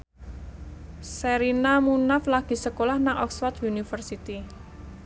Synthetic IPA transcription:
səɾinamunaflaɡ̥i̤səkolahnaŋʔɔ̰kswɔt̪unifərsit̪i

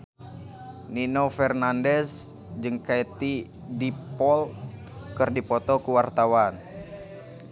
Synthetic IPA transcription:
ninofɛrnandɛs | d͡ʒɨŋkait̪i | dipɔl | kɨrdipɔt̪ɔkuwart̪awan

